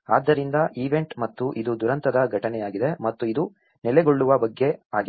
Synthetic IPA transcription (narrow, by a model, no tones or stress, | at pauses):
a̰ːd̪ːɐɾind̪ɐʔiʋe̞ɳʈmɐt̪ːuʔid̪ud̪uɾɐnt̪ɐd̪ɐɡʱɐʈɐnɛjaːɡid̪e̞mɐt̪ːuid̪u | nɛleɡoɭːuʋɐbɐɡːe̞aːɡi